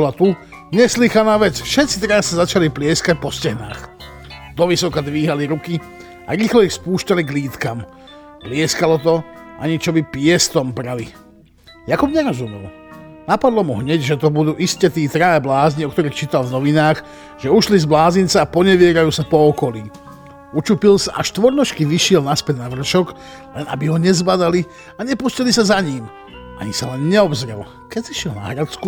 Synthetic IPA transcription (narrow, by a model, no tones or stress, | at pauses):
bɔlat̪u | ɲɛslixanaːʋɛt͡sfʃɛt̪t͡si̥t̪ɾaːɛsazat͡ʃaliplɪɛskac̚pɔscɛɦna̰ːx | d̪̥ɔʋisɔkad̪ʋiːɦaliɾuki | a̰ɾiːxlɔixspuːʃcaliɡliːt̪kam | plɪɛskalɔt̪ɔa̰ɲit͡ʃɔbipɪɛst̪ɔmpɾali | jakubɲɛɾɔzumɛ̰l | napad̪lɔmuɦɲɛɟʒɛt̪ɔbud̪uːʔiscɛt̪iːt̪ɾaɛblaːzɲiɔk̚t̪ɔɾiːxt͡ʃiːt̪alvnɔʋinaːx | ʒ̥ɛuʃlizblaːzint͡sɛapɔɲɛʋɪɛɾajuːsapɔːkɔliː | ut͡ʃupilsaʔaʃt̪ʋɔɾnɔʃkiʋiʃɪɛlnaspɛd̪naʋr̩ʃɔɡ | lɛna̰biɦɔɲɛzbad̪ali | aɲɛpuscilisazaɲiːm | aɲisalɛnːɛɔbzɾɛ̰l | kɛsiʃɪɛlna̰ɦɾat͡sku